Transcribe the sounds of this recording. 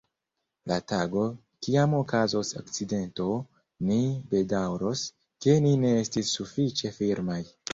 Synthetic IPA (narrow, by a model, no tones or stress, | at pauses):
lataɡo̞ | kiamokazo̞so̰kt͡side̞nto̞ | nibe̞dawɾo̞s | ke̞nine̞estisːufit͡ʃe̞fiɾmaj